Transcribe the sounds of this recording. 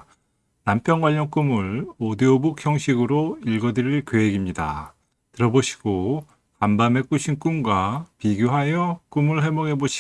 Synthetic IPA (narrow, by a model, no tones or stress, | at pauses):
nampʰjʌnɡwaʎːʌŋk͈umɯɭodiobukçjʌŋɕʰiɡɯɾoiɭɡʌdɯɾiɭkjoɦeɡimɲida̰ | tɯɾʌboɕʰi̥ɡ̥o | kambame̞k͈uɕʰink͈umɡwapiɡjoɦajʌk͈umɯɭɦe̞moɡe̞boɕʰi